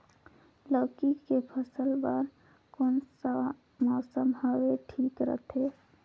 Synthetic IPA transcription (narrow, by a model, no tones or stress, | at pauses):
ləːkikepʰəsəlbəɾ | kons | mɔːsəmɦəʋeʈʰiːkɾə̰t̪ʰeː